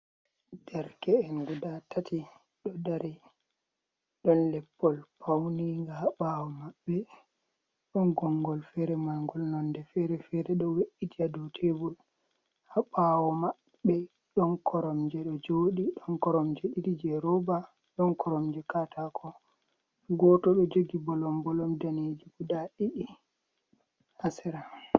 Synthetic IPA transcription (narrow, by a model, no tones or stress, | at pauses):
d̥ɛɾkɛːnɡudatʰatʰi | ɗɔdaɾi | ɗɔnlɛpːɔlpʰawniŋɡahaɓawɔmaɓːɛ | ɗɔnɡɔŋɡɔlfɛɾɛmaŋɡɔlnɔndɛfɛɾɛfɛɾɛɗɔweʔitiadɔtʰebul | haɓawɔmaɓːɛ | ɗɔnkʰɔɾɔmd͡ʒɛɗɔd͡ʒoːɗiɗɔnkɔɾɔmd͡ʒɛɗidid͡ʒɛɾɔba | ɗɔnkɔɾɔmd͡ʒɛkatakʰɔ | ɡɔtɔɗɔd͡ʒoɡibɔlɔmbɔlɔmdaned͡ʒikudaɗiɗi | asɛɾa